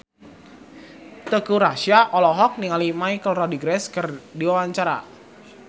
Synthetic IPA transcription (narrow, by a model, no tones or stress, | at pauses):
t̪əkuɾaʃiaʔɔlɔɦɔk̚niŋalimaikəlrɔdiɡɾɛskərdiwawaɲt͡ʃaɾa̰